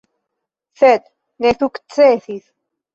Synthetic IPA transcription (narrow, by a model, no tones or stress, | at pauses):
θɛt̪ | nɛθuk̪t͡sɛθiθ